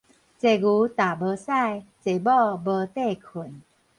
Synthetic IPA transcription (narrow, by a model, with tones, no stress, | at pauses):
t͡se˨˩ɡu˨˦t̪a˨˩bə˧˦sa˥˧˨jt͡se˨˩bɔ˥˧bə˧t̪e˥˧kʰu˨˩˦n